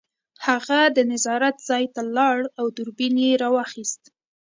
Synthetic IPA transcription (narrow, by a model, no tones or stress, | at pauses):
haɣad̪ənɪzɑɾat̪z̥ɑjt̪alɑɽawd̪uɾbinjeɾɑwɑxist̪